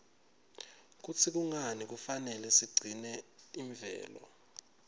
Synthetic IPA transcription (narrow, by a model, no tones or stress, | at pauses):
k̬ut͡sʰik̬uŋanik̬ufanɛlɛsiɡ͡ǀʱinɛiɱvɛ̰ːlɔ̰